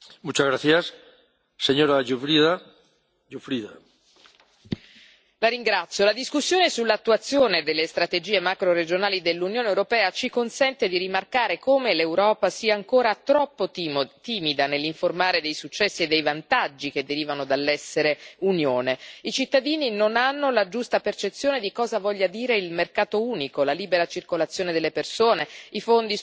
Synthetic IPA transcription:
mut͡ʃazɣɾaθjasː | eɲoɾad͡ʒufɾiða | d͡ʒufɾiða | laɾiŋɡɾat̪sːjolad̪iskusːjoːnesulːat̪ːuat̪sːjoːned̪elːest̪ɾat̪ed͡ʒiːemakɾoɾed͡ʒonaːlid̪elːunjoːnewɾopɛːat͡ʃikonsɛnt̪ed̪iɾimarkaːɾekoːmelewɾɔːpasiːaːŋkoːɾat̪ɾɔpːot̪iːmid̪anelːiɱformaːɾed̪ejsut͡ʃːɛsːied̪ːejvant̪ad͡ʒːik̟ed̪ːeɾiːvanod̪alːɛsːeɾeunjoːneit͡ʃit̪ːad̪iːninonanːolad͡ʒust̪apert͡ʃet̪sːjoːned̪ikɔːzavɔʎːad̪iːɾeilmerkaːt̪ouːnikolaliːbeɾat͡ʃirkolat̪sːjoːned̪elːepersoːneifond̪i

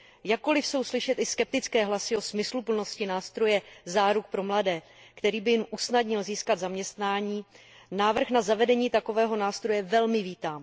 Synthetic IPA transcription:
jakːo̞lɪfso̞wslɪʃɛt̪ɪskɛp̚t̪ɪt͡skɛːɦlasɪo̞smɪslupl̩no̞scɪnaːst̪ɾo̞jɛzaːɾuk̚pɾo̞mladɛː | kt̪ɛɾiːbɪjɪmʔusnadɲɪlziːskad̪zamɲɛst̪naːɲiː | naːvr̩xnazavɛdɛɲiːt̪ako̞vɛːɦo̞naːst̪ɾo̞jɛvɛlmɪviːt̪aːm

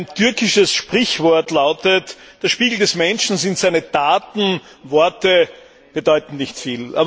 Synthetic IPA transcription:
ntʰʏɐkɪʃəsʃpʁ̥ɪçvɔɐtlaʊtət | d̥eɐʃpiːɡl̩dɛsmɛnʃn̩sɪntz̥æɪnədaːtn̩ | vɔɐtə | b̥ədɔʏtn̩nɪçtfiːlʔa̰ːb

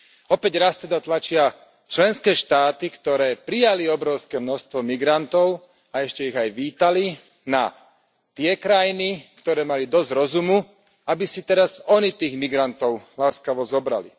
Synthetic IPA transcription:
ɔpɛɟɾast̪ɛd̪at̪lat͡ʃɪa | t͡ʃlɛnskɛːʃt̪aːt̪ikt̪ɔɾɛːpɾijaliɔbɾɔʊskɛːmnɔʃst̪ʋɔmiɡɾant̪ɔʊ | aɛʃcɛiɣajʋiːt̪ali | na | t̪ɪɛkɾajinikt̪ɔɾɛːmalid̪ɔzɾɔzumu | abisit̪ɛɾazɔnit̪iːɣmiɡɾant̪ɔʊlaːskaʋɔzɔbɾa̰lḭ

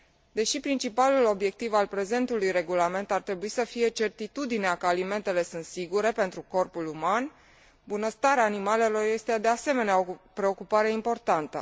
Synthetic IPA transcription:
d̪e̞ʃipɾint͡ʃipalulo̞bje̞k̚t̪ivalpɾe̞ze̞nt̪ulujre̞ɡulame̞nt̪art̪ɾe̞buisəfije̞t͡ʃe̞rt̪it̪ud̪ineakəalime̞nt̪e̞le̞sɨnt̪siɡuɾe̞pe̞nt̪ɾuko̞rpuluman | bunəst̪aɾeaːnimale̞lo̞rje̞st̪ed̪e̞ase̞me̞neapɾe̞o̞kupaɾeimpo̞rt̪ant̪ə̰

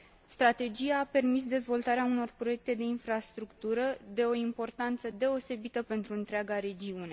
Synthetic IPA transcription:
st̪ɾat̪e̞d͡ʒijaːpe̞rmis̬d̪e̞zvo̞lt̪aɾeauno̞rpɾo̞je̞k̚t̪e̞d̪e̞infɾast̪ɾukt̪uɾəd̪e̞o̞impo̞rt̪ant̪səd̪e̞o̞se̞bit̪əpe̞nt̪ɾuɨnt̪ɾeaɡaɾe̞d͡ʒiune̞

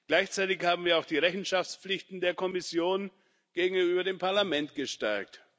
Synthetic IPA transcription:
ɡ̥laɪçt͡saɪtɪçhaːbm̩viːɐaʊxd̥iːʁɛçn̩ʃaft͡sp͡flɪçtn̩deːɐkʰɔmɪsjoːn | ɡ̥eːɡŋ̩yyːbɐɾeːmpʰaɐlamɛntɡ̥əʃtɛɐk̚t

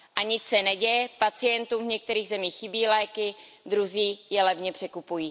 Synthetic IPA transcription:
ʔaɲɪt͡ssɛnɛɟɛjɛpat͡sɪjɛnt̪uːmvɲɛk̚t̪ɛɾiːɣzɛmiːxːɪbiːlɛːkɪ | d̪ɾuziːjɛlɛvɲɛpr̝̥ɛkupujiː

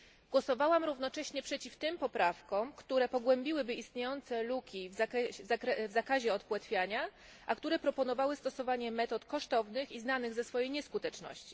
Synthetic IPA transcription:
ɡ̥wɔsɔvawamɾuvnɔt͡ʂɛɕɲɛpʂɛt͡ɕift̪ɘmpɔpɾafkɔ̃mkt̪uɾɛpɔɡwɛmbʲiwɘbɘist̪ɲejɔnt̪sɛlukʲivakɛzakɾɛvzakaʑɛɔt̪̚pwat̪fʲjaɲa | ʔakt̪uɾɛpɾɔpɔnɔvawɘst̪ɔsɔvaɲɛmɛt̪ɔt̪kɔʂt̪ɔvnɘxiznanɘɣzɛsfɔjejɲɛskut̪ɛt͡ʂnɔ̰ɕt͡ɕi̥

